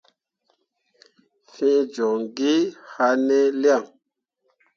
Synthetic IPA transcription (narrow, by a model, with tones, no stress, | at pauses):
fĩ˦d͡ʒo˨ŋɡi˦ha˧ne˦li˦a˦˨ŋ